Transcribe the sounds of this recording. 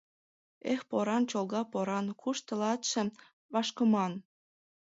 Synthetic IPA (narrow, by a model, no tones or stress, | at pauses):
expoɾɑnt͡ɕolɣɑpoɾɑnkʰuʃt̪ə̆lɑt̪ʃĕ | βɑʃkə̆mɑn